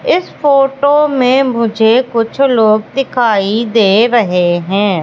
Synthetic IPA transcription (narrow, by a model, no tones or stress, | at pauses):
ɪspoːʈoːmẽmʊd͡ʒʱeːkʊt͡ʃʰloːɡ̚d̪ɪkʰaːid̪eːɾəɦeɦɛ̃ː